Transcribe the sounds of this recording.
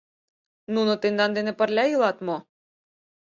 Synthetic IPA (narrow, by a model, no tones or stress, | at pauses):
nunot̪end̪ɑnd̪enĕpə̆rlʲɑjɯlˠɑt̪mo